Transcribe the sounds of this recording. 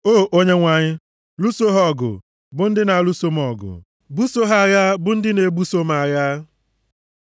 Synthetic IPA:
o˦ʔo˦ɲe˦ŋʷa˨ɲɪ˦ | lu˦so˦ɦɔ˦ɡʊ̰˨ | bʊ˦n̩˦dɪ˦na˨˦lu˦so˦m˦ɔ˨ɡʊ̰˨ | bu˦so˦ɦa˦˨ja˦bʊ˦n̩˦dɪ˦ne˨bu˦so˦ma˨ja˦

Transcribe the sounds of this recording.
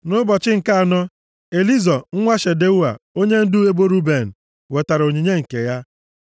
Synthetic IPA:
nʊ˦bɔ˨t͡ʃɪ˦ŋ̩˨ka˦a˨nɔ˦ | e˨li˦zɔ˨ŋ̩˦ŋʷa˦ʃe˨de˦u˦wa˨o˦ɲe˦n̩˦dʊ˦e˦bo˦ɾu˦be˨n̩˨ | we˨ta˨ɾo˨ɲi˨ɲe˦ŋ̩˨ke˨ja˦

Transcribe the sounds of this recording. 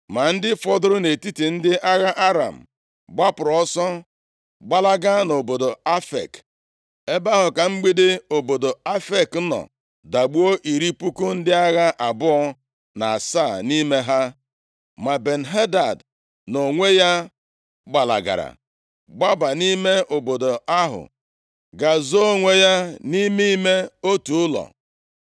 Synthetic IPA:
ma˨n̩˦dɪ˦fɔ˦dʊ˦ɾʊ˦ne˨ti˦ti˨n̩˦dɪ˦ʔa˦ɣa˦ʔa˦ɾa̰˨m̩˨ | ɡ͡ba˦pʊ˨ɾɔ˦sɔ˦ | ɡ͡ba˦la˦ɡa˦no˨bo˨do˨a˦fḛ˨k | e˦ba˦ɦʊ˨ka˨ŋ͡m̩˦ɡ͡bi˦de˦o˨bo˨do˨a˦fe˨kn̩˦nɔ̰˨ | da˨ɡ͡bu˦o˦ʔi˨ɾi˦pu˦ku˦n̩˦dɪ˦a˦ɣa˦ʔa˨bʊ˦ɔ˦ | na˨a˨sa˦˨ni˦me˦ɦa˦ | ma˨be˨n̩˨ɦe˦da˨d | no˨ŋʷe˦ja˦ | ɡ͡ba˨la̰˨ɡa̰˨ɾa̰˨ | ɡ͡ba˦ba˨ni˦me˦ʔo˨bo˨do˨a˦ɦʊ̰˨ | ɡa˨zo˦o˦ŋʷe˦ja˦ni˦mi˦me˦o˦tu˨ʊ˦lɔ̰˨

